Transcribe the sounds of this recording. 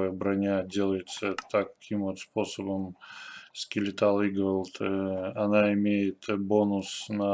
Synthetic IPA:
əjəbɾɐnʲadʲe̞lˠəjɪt̪sət̪ɐkʲimvot̪spo̞səbəmskʲɪlʲɪt̪alˠiɡolˠt̪ɐnaɪmʲejɪt̪bo̞nʊsnɐ

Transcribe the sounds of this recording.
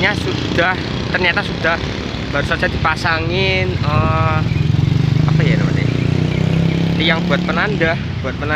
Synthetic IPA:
ɲasud̥ah | t̪ərɲat̪asudah | b̥aɾusat͡ʃadipasaŋɪnə | apajanəmana̰ | jaŋbuat̪̚pənandah | b̥uat̪̚pəna

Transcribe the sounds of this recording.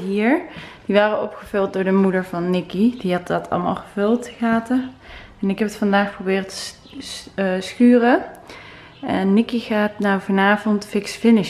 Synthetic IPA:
ɦiːɹd̥iʋaːrəɔpχəv̥ɵlˠt̚dʊːɹdəmudəɹvɑnːɪkidiɑt̚dɑtʰɑ̰lˠma̰ːlˠxəv̥ɵlˠtχaːtə | ɛnɪkɦɛpətfɑndaːxprobɪːrtə̥ | sxyːərə | ɛnːɪkiɣaːtnawvɑnaːvɔntfɪksfɪnɪʃ

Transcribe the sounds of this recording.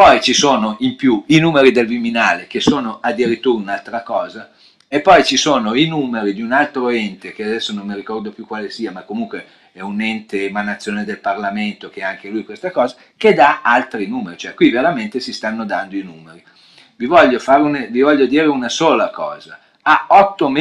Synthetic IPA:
pɔjt͡ʃisoːnoʔimpjuinuːmeɾid̪elviminaːlek̟esoːnoʔad̪ːiɾit̪ːuːɾaunalt̪ɾakɔːza | epːɔjt͡ʃisoːnoinuːmeɾid̪iunalt̪ɾoɛnt̪ek̟ead̪ɛsːonomːiɾikɔrd̪opjukwaːlesiːamakːomuŋkwe | ɛunɛnt̪emanːat̪sːjoːned̪elparlament̪okeɛaŋkelujkwest̪akɔːza | ked̪aalt̪ɾinuːmeɾit͡ʃoɛkwiveɾament̪esist̪anːod̪and̪oinuːmeɾi | vivɔʎːofaɾunevivɔʎːod̪iːɾeunasoːlakɔːza | aɔt̪ːom

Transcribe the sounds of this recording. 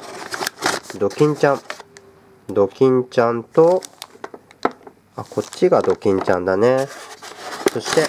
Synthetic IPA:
d̪o̞kʲĩɲ̟t͡ɕãɴ | d̪o̞kʲĩɲ̟t͡ɕãnt̪o̞ | ako̞tt͡ɕːɕiɡad̪o̞kʲĩɲ̟t͡ɕã̰nd̪ane̞ | so̞ɕi̥t̪e̞

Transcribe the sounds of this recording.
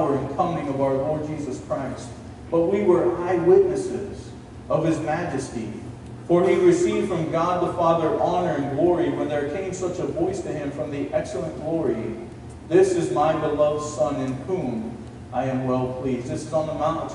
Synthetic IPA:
ə˞ɨ̃nkʰʌmɪ̃ŋʌvaʊə˞lɔɹd̚d͡ʒizɨskʰɹ̥aɪst̚ | b̥ʌt̚wiwə˞aɪwɪtⁿnɨsɪ̰z̥ | ʌv̥ɨzmæd͡ʒɨstḭ | fə˞iɹɨsivd̥fɹʌ̃mɡɑd̪̚ðəfɑðə˞ʔɑnə˞ɨ̃nɡlɔɹiwə̃nðə˞kʰẽɪ̃msʌt͡ʃəvɔɪstʰɨɪ̃ɱfɹʌ̃mðiʔɛksl̩ˠə̃nɡ̥lɔɹi | ðɪsɨzmaɪbəlʌvd̥sʌ̃nɨ̃nhũm | ʔaɪɨ̃mwɛlˠpʰl̥izðɪsɨzn̩ðəmãʊ̃ntʌ̥

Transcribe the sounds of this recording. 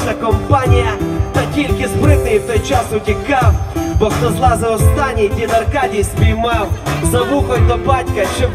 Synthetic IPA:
t̪ɐkɔmpanʲɪjɐt̪ɐtʲilʲkʲɪspɾɪt̪ɪjt̪ɔjt͡ʃasʊtʲɪkawbɔkt̪ɐzlˠazɐɔst̪anʲidʲinɐrkadʲijsʲpʲijmawzɐʋuxɔjʲd̪ɔbatʲkɐt͡ʃɛ

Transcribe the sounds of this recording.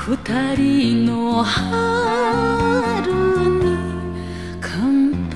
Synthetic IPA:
hɯt̪aɾinoha | ɾɯɲi | kʰamp

